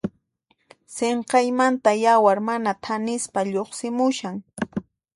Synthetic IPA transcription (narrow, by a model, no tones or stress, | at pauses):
seɴqɑjmant̪ajawaɾmanat̪ʰanɪspaʎoχsɪmʊʃaŋ